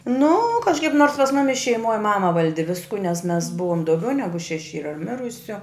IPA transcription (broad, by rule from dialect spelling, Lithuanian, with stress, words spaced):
nʊ kɐʃˈkɐɪp noːrs pɐs ˈmʊmʲɪs ʃʲɛɪˈmoːj ˈmɑːmɐ ˈʋɐlʲdʲɪ ˈʋʲɪskʊ nʲɛs mʲɛs ˈbʊʋoːm dɐʊˈɡʲɛʊ ˈnʲæːɡʊ ʃʲɛˈʃʲɪ ˈiːrɐ ˈmʲɪrʊsʲʊ